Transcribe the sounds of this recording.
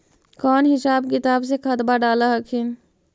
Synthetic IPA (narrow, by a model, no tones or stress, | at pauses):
kɔːnɦɪsaːb̚kɪt̪aːbs̬ekʰɐt̪baɖaːlaɦɐkʰɪn